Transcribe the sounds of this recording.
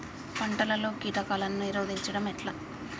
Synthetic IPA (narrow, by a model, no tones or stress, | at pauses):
pɐɳʈɐlɐlo̞ːkiːʈɐkaːlɐnːuniɾoːd̪iɲt͡ʃɐɽɐmɛʈla